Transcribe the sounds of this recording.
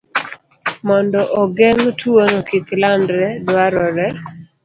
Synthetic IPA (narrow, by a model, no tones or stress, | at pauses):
mɔndɔʔɔɡɛŋtʰuonokiklandɾɛdwaɾɔɾɛ